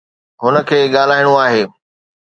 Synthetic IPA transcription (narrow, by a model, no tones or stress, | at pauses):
ɦʊnə̆kʰeːɠaːl̤aːɪɽ̃uaːɦeː